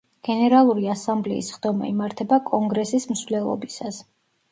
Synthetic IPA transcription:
ɡ̥ɛnɛɾalˠuɾiasamblɛ̰ḭsχd̪ɔma̰imaɾt̪ʰɛbakʼɔŋɡɾɛsismsvlɛlˠɔ̰bisas

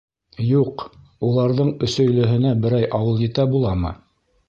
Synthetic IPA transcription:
juq | ulˠɑɾðɤɴɵ̆sɵ̆jlɵ̆ɦɘ̆næbɘ̆ɾæjʔɑwɤlˠjɘ̆t̪æbulˠɑmɤ̰

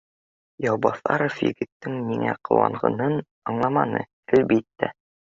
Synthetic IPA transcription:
jɑwbɑθɑ̰ɾofjɘ̰ɡɘ̆t̪ːɘŋmiŋæqɤ̰̆wɑ̰ɴʁɤ̰̆nɤn | ɑɴlˠɑmɑnɤ̰ | ælbit̪ːæ

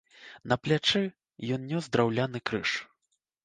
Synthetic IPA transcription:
nɐplʲat͡ʂɛ | jɔnnʲɔzd̪ɾawlʲanɨkɾɨʂ

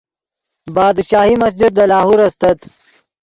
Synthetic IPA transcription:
baːd̪ʃaːhimɐs̬d͡ʒɪd̪̚ːɐlaːɦuɾɐst̪ɐt̪

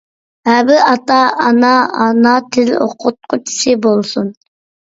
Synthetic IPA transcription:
hæbɪʔɑt̪ɑɑnɑɑnɑt̪ʰɪlo̰qʰʊt̪̚qʰʊt͡ʃʰi̥sɨbolˠsun

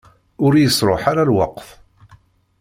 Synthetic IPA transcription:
ʊɾjəsˤɾˤo̰ħaɾalwɑ̰qθ

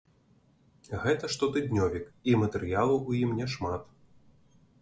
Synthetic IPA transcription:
ɣɛt̪ɐʂt̪ɔt̪ɨd̪ʲnʲɔvʲikimɐt̪ɛɾɨjalˠuʔujimnʲɛʂmat̪

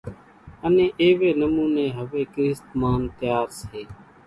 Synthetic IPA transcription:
ənẽːʔeːʋeːnəmuːneːɦəʋeːkɾɪst̪maːnt̪ɪjaːɾsɦeː

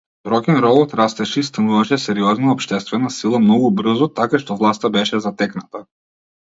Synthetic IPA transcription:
ɾɔkɛnɾɔbɔt̪ɾast̪ɛʃɛist̪anuvaʃɛsɛɾiɔznaɔpʃt̪ɛst̪vɛnasilˠamnɔɡubr̩zɔt̪akaʃt̪ɔvlˠast̪abɛʃɛzat̪ɛknat̪a

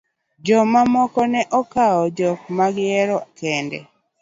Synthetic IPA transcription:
d͡ʒɔmamɔkɔnɛʔɔkaɔd͡ʒɔk̚maɡjɛɾɔkɛndɛ̰

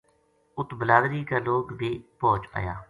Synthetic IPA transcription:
ʊt̪bəlaːd̪ɾiːkaːloːkd̪iːpɔːt͡ʃa̰ːja̰ː

